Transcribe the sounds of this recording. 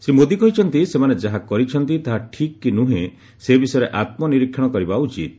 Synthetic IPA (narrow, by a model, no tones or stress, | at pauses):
sɾimod̪ikɔɦit͡ʃʰɔnt̪isemaned͡ʒaɦakɔɾit͡ʃʰɔnt̪it̪aɦaʈʰikːinũɦẽ | sebisɔjɾeʔat̪̚mɔniɾikʰjɔɽ̃ɔkɔɾibaut͡ʃit̪̚